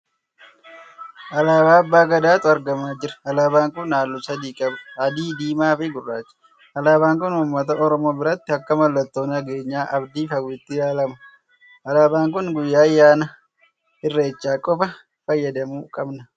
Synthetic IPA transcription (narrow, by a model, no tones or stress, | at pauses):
ʔɐlaːbaːɐbːaːɡɐd̪aːt̪ʊɐɾɡɐmaːd͡ʒɪɾɐ̥ɐlaːbaːŋkʊnːaːlːʊsɐd̪iːkʼɐbɐd̪iːd̪iːmaːfɪɡʊrːaːt͡ʃːɪ̥ | ʔɐlaːbaːŋkʊnʊmːɐt̪ɐʔɔɾɔmo̞ːbɪɾɐt̪ːɪɐkːɐmɐlːɐt̪ːo̞ːnɐɡe̞ːɲːaːʔɐbd̪iːfɐwɪt̪ːɪjaːlɐmɐ | ʔɐlaːbaːŋkʊnɡʊjːaːjːaːnɐ | hɪrːe̞ːt͡ʃːaːkʼɔfɐ | fɐjːɐd̪ɐmuːkʼɐbnɐ